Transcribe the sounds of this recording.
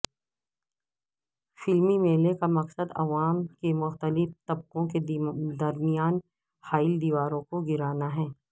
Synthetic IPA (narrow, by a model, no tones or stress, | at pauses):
fɪlmimeːlekamɐqsəd̪ɐ̰ʋaːmkemʊxt̪əlɪft̪ɐb̚qõked̪ɐɾmijaːn | haːɪld̪iːʋaːɾõkoɡɪɾaːnaɦɛː